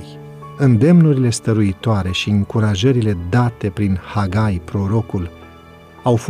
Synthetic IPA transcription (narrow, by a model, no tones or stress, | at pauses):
ɨnd̪e̞mnuɾile̞st̪əɾuit̪oaɾe̞ʃiɨŋkuɾaʒəɾile̞d̪at̪e̞pɾinhaɡajpɾo̞ɾo̞kul | awf